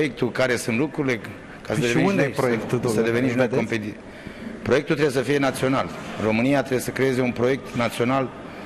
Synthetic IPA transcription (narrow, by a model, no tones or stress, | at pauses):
jekt̪ukaɾe̞sunt̪lukɾuile̞ | kasədeniund̪ejpɾojktt̪usəd̪eveniʃnojkompet̪i | pɾoe̞k̚t̪ult̪ɾe̞bjesəfije̞nat̪sio̞nalro̞mɨnijat̪ɾebjesəkɾe̞je̞ze̞unpɾo̞jek̚t̪nat̪sio̞nal